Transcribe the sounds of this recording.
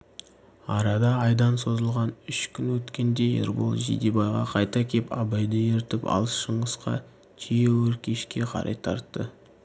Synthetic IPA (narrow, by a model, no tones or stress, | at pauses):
ɑɾɑd̪ɑːjd̪ɑnso̞zəlˠʁɑnʏʃkʲʰʏnwɵt̪kʲe̞nd̪e̞jḛɾbo̰lˠʒḭd̪ebɑjʁɑ̰qʰɑjt̪ɑkʲʰe̞pʰɑ̰bɑjd̪əeɾt̪ɪpɑ̰lˠəsʃəɴəsqɑ̰ | t̪ʰijewɵɾkʲʰeʃkʲe̞qʰɑ̰ɾʔɑ̰jt̪ʰɑ̰ɾt̪ːə